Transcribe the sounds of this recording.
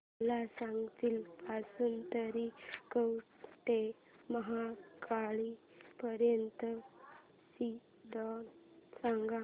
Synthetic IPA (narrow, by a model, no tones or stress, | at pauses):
lasãŋɡt̪iːlpasuːnt̪əɾikəwt̪e | məɦakʰaɭi | pəɾjənt̪ə | si | ɖɔnsãŋɡa